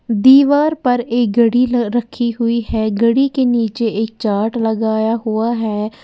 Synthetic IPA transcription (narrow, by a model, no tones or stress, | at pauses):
d̪iːʋaːɾpəɾeːɡəɽiːɾəkʰiːɦʊiːɦɛːɡəɽiːkeːniːt͡ʃeːɪːk̚t͡ʃaːʈləɡaːjaːɦʊaːɦɛː